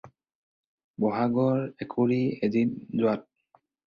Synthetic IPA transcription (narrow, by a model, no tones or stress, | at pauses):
bɔɦaɡɔɹɛkʰoɹiedinzʊat̚